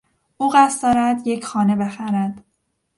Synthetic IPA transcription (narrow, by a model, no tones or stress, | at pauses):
ʔuːɢæsd̪ɒːɾæd̪je̞cʰxɒːne̞be̞xæɾæd̪̥